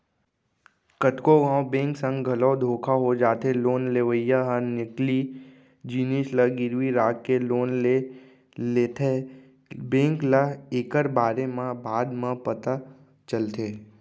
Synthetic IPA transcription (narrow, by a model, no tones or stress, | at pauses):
kəʈkoɡãːwbẽːŋksə̃ŋɡɡʱəlɔːd̪ʱoːkʰaɦod͡ʒaːt̪eloːnleːʋəjaɦənɪkli | d͡ʒiːniʃləɡɪɾʋiɾaːkkeloːnle | leːt̪ʰe | bẽːŋkləeːkəɾbaːɾemãbʱaːd̪mãpət̪a | t͡ʃəlt̪ʰeː